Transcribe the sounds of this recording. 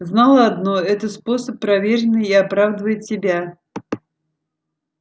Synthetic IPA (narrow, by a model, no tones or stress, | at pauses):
znalˠəɐd̪noɛt̪əspo̞səpːɾɐvʲeɾʲɪnːɨjiɐpɾavd̪əvəjɪt̪ʲsʲɪbʲa